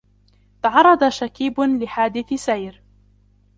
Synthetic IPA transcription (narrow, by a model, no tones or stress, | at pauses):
t̪ɑʕɑrˤːɑd̪aʃakiːblɪħaːd̪ɪθsajɾ